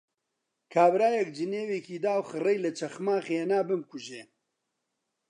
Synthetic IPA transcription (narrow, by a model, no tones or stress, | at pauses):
kʰaːbɾaːjɛkd͡ʒɨneːweːkiːd̪aːwxɨrɛjlɐt͡ʃʰɐxmaːxeːnaːbɨmkʊʒeː